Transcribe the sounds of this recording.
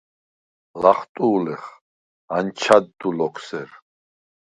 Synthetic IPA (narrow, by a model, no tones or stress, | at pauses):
laχt̪ʼuːlɛχ | ant͡ʃʰad̪ːulɔkʰsɛɾ